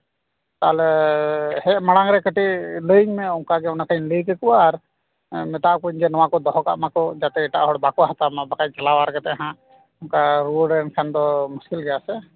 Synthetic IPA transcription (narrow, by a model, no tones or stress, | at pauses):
t̪alɛ | hɛmaɽãŋɾɛkəʈiʔləiŋmɛɔnkaɡɛɔnakʰainlikɛkuwaːɾ | mɛt̪aʔkuɲd͡ʒɛnɔwakɔd̪ɔɦɔka̰ʔmakɔd͡ʒat̪ɛːʈaʔɦɔɽbakɔɦat̪amabakaj̚t͡ʃalawaɾkɛt̪ɛʔɦã | ʊnkaɾuɖɛnkʰɛnd̪ɔmuskilɡɛjasɛ